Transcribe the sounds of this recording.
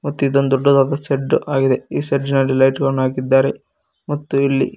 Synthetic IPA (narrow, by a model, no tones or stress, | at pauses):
mɐt̪ːuid̪ond̪ɔɖːɐd̪aːd̪ɐseɖːuʔaːɡid̪e̞iːseɖinɐlːilɐjʈɡɐnaːɡid̪ːaːɾe̞ | mɐt̪ːuilːi